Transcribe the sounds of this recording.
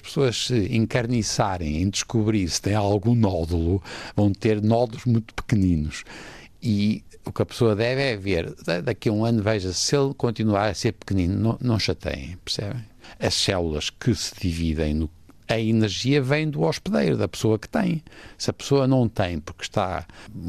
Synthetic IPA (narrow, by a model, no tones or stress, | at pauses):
ɐʃpɨ̥soɐʃsɨĩŋkɐɾnisaɾḛ̃j̃ẽj̃d̪ɨʃkuβɾiɾsɨ̥t̪ɐ̃j̃alˠɣũnɔðulˠuvɐ̃w̃t̪eɾnɔðuʒmũj̃t̪u̥pɨ̥kɨninuʃ | i | ukɐpɨ̥soɐðɛvɛveɾɐðɐkiɐũɐnuvɛjʒɐselˠkõnt̪inuaɾɐseɾpɨ̥kɨninunɐ̃w̃nɐ̃w̃ʃɐt̪ʰɐ̰j̰̃j̃pɨɾsɛ̰βẽj̃ɐʃsɛlˠulˠɐʃkʰɨsɨðiviðḛ̃j̃nu | ɐinɨɾʒiɐvɐ̃j̃d̪uɔʃpɨðejɾuðɐpɨ̥soɐkɨ̥t̪ɐ̃j̃sɨɐpɨ̥soɐnɐ̃w̃t̪ɐ̃j̃puɾkʃt̪a̰